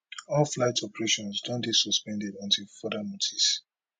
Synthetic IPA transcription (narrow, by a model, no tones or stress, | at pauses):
ɔlflaɪtɔpɛɹeʃɔ̃nsdɔ̃nbisɔspɛ̃ndɛdãntʰifɔdamutʰis